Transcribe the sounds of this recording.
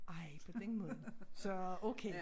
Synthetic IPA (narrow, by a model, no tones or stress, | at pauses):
ʔɑ̈ɪpʰɒ̽d̥enmɔːð̩ˠsɒ̽oʊkʰe